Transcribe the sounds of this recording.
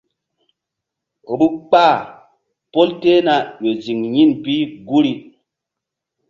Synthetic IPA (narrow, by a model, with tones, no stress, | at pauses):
o˨ɓu˦k͡paː˦˨ | po˦lte˦na˦je˨zi˨ŋɲi˦˨npi˦ɡu˦ɾi˦